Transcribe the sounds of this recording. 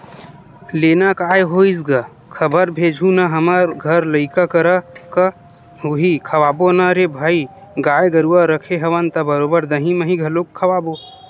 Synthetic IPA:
leːnakaːjɦoisɡa | kʰəbəɾbʱeːd͡ʒʱũnaɦəməɾɡʱəɾləɪkakəɾakə | ɦuɦikʰəwaːbonaɾebʱaːi | ɡaːjɡəɾuaɾəkʰeɦəʋənt̪ɐbəɾobəɾd̪əɦĩməɦĩɡʱəlokʰːəʋaːbo

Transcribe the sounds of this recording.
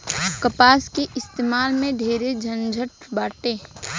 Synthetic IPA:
kəpaːskeʔɪst̪eːmaːlmẽd̪ʱeːɾed͡ʒʱənd͡ʒʱəʈ̚baːʈeː

